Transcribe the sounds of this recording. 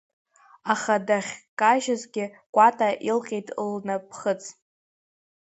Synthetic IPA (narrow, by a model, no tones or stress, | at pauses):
aχadaχʲkʼaʒazɡʲɪ | kʷʼatʼaʔilqʲʼejtʼlnapʰχət͡sʰʼ